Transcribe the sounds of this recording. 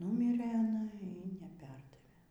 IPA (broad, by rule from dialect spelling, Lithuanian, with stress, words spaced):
ˈnʊmʲɪrɘ ɐˈnɐ iː nʲɛˈpʲɛrdɐʋʲeː